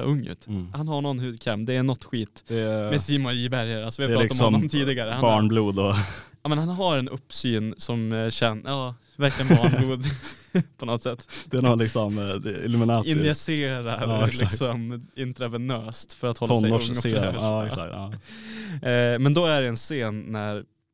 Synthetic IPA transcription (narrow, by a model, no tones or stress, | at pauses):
ɵŋːʉ̰ːt̪hanɦaɳɔnɦʉːkʰɾɛmd̪ɛːɳɔt̪ːɧiːt̪d̪ɛmɛsiːmɔiːbæɾjəɾalsɔvɪpɾɑːɪk̪ːɔɔmɔmt̪ʰiːd̪ɪɡaɾəhabɑːɳbluːd̪ɔjɑːmɛnhanɦaɾɛnɵpːsyːnsɔmɕɛnjɑː | væɾklɪjəɛnbɑːɳbluːd̪pʰɔnɔt̪ːsɛt̪ːd̪̥ɛːnɔlɪksɔmd̪ɛɪlʉmɪnɑːɪnd̪ɪɛseːɾalɪksɔmɪnt̪ɾavɛnœːst̪fœɾat̪hɔlɔnɛɔseːɛka̰k̪ɑː | mɛnd̪ɔæɖɛɛnseːnːæɾ